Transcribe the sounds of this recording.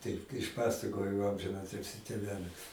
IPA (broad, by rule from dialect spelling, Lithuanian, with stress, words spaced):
ˈtɐɪp ɪʃˈpɑːsɐkoːjoː ɐmʲʒʲɪnˈɑːtʲɪlʲsʲiː tʲeːˈʋʲæːlʲɪs